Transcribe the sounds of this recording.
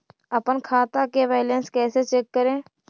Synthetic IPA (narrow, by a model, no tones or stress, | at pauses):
əpənkʰaːt̪akeʋaːlẽnskɛːset͡ʃeːkːəɾẽː